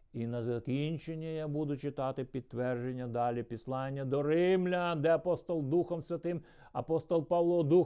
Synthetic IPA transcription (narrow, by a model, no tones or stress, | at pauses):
inɐzɐkʲinʲt͡ʃenʲːijabud̪ʊt͡ʃɪt̪ɑt̪ɪpʲid̪̚t̪ːʋɛrd͡ʒenʲːɐd̪ɑlʲipʲislˠɑnʲːɐd̪ɔɾɪmlʲɐd̪ɛɐpɔst̪ɔlˠd̪uxɔmsʲʋʲɐt̪ɪm | ɐpɔst̪ɔlˠpɑʋlˠɔd̪u